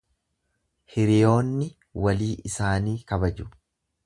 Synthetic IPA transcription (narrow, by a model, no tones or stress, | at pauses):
hɪɾɪjo̞ːnːɪ | wɐliːɪsaːniːkɐbɐd͡ʒʊ̥